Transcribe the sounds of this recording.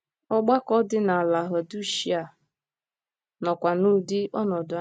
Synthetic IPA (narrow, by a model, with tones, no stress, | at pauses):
ɔ˦ɡ͡ba˦kɔ˦dɪ˦na˨a˨la˨ɦɔ˨du˦ʃi˦a˨ | nɔ˨kʷa˨nu˦dɪ˦ʔɔ˦nɔ˨dʊ˨˦